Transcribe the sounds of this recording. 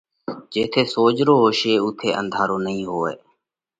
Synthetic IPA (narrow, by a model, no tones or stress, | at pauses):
d͡ʒeːt̪ʰeːsoːd͡ʒɾoːɦoːʃeːut̪ʰeːʔə̰nd̪ʱaːɾoːnəɦĩːɦoːḛː